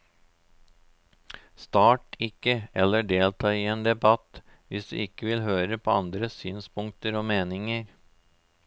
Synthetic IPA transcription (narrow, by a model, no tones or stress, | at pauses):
st̪ɑːʈɪkːəɛlːəɖeːlt̪ʰɑːiːeːnd̪ɛbɑt̪ʋɪsd̪ʉ̰ːɪkːəʋɪlɦøːɾəpʰoːɑnd̪ɾəsyːnspʊŋk̚t̪əɾoːmeːnɪŋəɾ